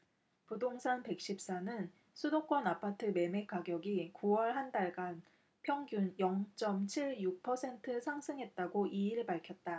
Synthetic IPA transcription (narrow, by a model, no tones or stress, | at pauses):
pudoŋsʰanpe̞k̚ɕ͈ip̚s͈anɯn | sʰudok͈wʌnapʰatʰɯme̞me̞kaɡjʌɡikuwʌɭɦandaɭɡan | pʰjʌŋɡjunjʌŋt͡ɕ͈ʌmt͡ɕʰiɭjuk̚pʰʌsʰe̞ntʰɯsʰaŋsʰɯŋɦe̞t̚t͈aɡoʔiiɾɯɭpaɭkʰjʌt̚t͈a